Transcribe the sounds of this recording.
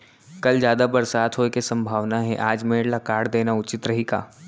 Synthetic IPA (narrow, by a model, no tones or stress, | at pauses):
kɐld͡ʒjaːd̪abɐɾsaːt̪ʰɦoːekesɐ̃mbʱaːʋnaɦɛʔaːd͡ʒmeːɽlakaːɽd̪eːnaʊt͡ʃɪt̪ɾɐɦika̰ː